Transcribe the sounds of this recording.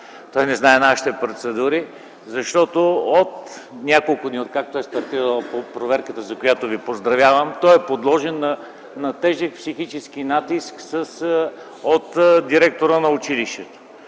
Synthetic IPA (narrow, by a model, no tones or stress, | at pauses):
t̪ɔjnɛznaɛnaʃi̥t̪ɛpɾot̪sɛd̪uɾi | zɐʃt̪ɔt̪oot̪nʲakolˠkʊd̪niot̪̚kak̚t̪oɛst̪ɐɾt̪iɾəllˠpopɾovɛɾkət̪əzɐkojat̪ovipozd̪ɾɐvʲjavəmt̪ɔjɛpod̪lˠɔʒɛnːɐ | nɐt̪ɛʒək̚psixit͡ʃɛskinat̪isksəs | ot̪d̪iɾɛk̚t̪oɾənɐʊt͡ʃiliʃt̪ɛt̪o̥